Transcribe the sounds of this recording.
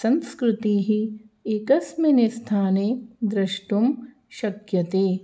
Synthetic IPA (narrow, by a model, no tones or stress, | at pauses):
sɐ̃nskɾɪt̪iːɦi | ekɐsmɐnest̪ʰaːneːd̪ɾɐʃʈum | ʃɐkjɐt̪eː